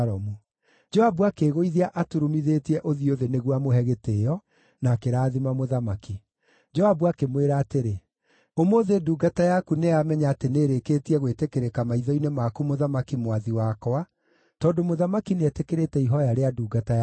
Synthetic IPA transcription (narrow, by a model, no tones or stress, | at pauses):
ɾɔmu | d͡ʒɔabwakeːɣoiðiaʔatuɾumiðeːtiɛʔoðioðeneɣwamoɦɛɣeteːɔ | nakeɾaːðimamoðamaki | d͡ʒɔabuakemweɾaːteɾe | omoðeduːɡatajakuneamɛɲaːteneːɾekeːtiɛɣwetekeɾekamaiðɔinemakumoðamakimwaðiwakɔa | tɔːndomoðamakinɛtekeɾetɛiɦɔjaɾeaduːɡataj